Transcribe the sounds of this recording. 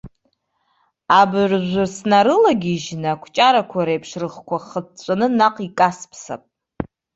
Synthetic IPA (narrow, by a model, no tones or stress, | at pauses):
abrʒʷʊrsnaɾɨlaɡʲiʒnakʷʰt͡ʃʼaɾakʷʰaɾajpʰʂrɨχkʷʰaχətt͡sʷʼanɨnaqʼikʼaspʰsa̰pʼ